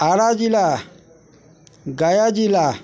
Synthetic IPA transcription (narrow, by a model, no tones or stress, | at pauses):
aɾad͡ʒila | ɡajad͡ʒila